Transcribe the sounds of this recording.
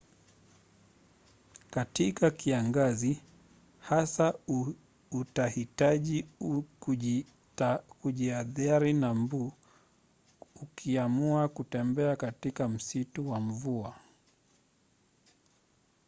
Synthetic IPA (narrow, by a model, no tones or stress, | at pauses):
katikakiaŋɡazi | hasa | utahitaʄi | kuʄiaðaɾinambu | ukʰiamuakutɛmbɛakatikam̩situwam̩vua